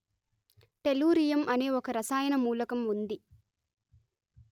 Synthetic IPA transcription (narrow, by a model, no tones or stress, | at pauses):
ʈeluːɾijɐmʔɐne̞ːɔkɐɾɐsaːjɐnɐmuːlɐkɐmund̪i